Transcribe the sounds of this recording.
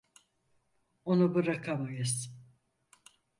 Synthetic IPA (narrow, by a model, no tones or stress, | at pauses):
onubɯɾakʰamajɯz̥